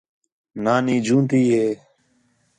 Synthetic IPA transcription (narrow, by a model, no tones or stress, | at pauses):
naːniːd͡ʒũːnt̪iːɦeː